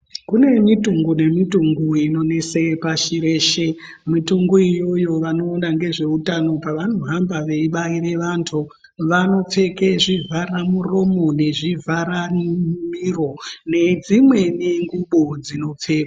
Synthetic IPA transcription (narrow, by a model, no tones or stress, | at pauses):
kune̞mituŋɡune̞mituŋɡuino̞ne̞sepaʃiɾeːʃe | mituŋɡoijo̞jo̞ʋano̞ːnaŋɡe̞ʐe̞utano̞paʋano̞ɦambaʋeiɓaiɾe̞ʋantʰu | ʋano̞p͡fe̞keʐivʱaɾamuro̞mone̞ʐivʱaɾamiro̞ne̞d͡zimwe̞neŋɡuɓod͡zino̞p͡feːka